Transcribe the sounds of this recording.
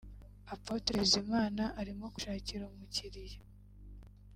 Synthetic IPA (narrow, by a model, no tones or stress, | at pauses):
apotɾezimaːnaʔaɾimo̞ku̥ʃaːciɾaumuciɾija